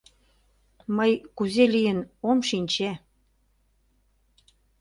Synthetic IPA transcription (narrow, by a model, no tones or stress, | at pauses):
məjkuzelijənomʃinʲt͡ɕe